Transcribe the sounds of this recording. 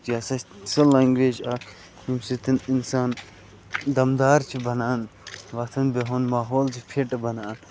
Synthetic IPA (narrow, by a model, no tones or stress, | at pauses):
jaːsɐsɐlaːŋɡʋeːd͡ʒa | imsit̪ininsaːn | d̪ɐmd̪aːɾt͡ʃʰibɐnaːnʋɐt̪ʰɐnbeɦonmaːɦoːlt͡ʃʰipʰeʈbɐnaːn